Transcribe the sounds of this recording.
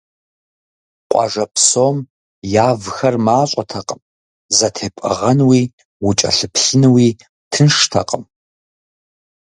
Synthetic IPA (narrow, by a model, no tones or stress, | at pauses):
qʷʼɑ̰ʐɐpʰsoːm | jaːvxɐrmaːɕʷʼɐtʰɐqʼəm | zɐtʰeːpʼɐ̰ʁɐnwiː | wʊt͡ʃʼɐ̰ɬɨpɬɨnɨwiː | tʰɨnʂtʰɐ̰qʼəm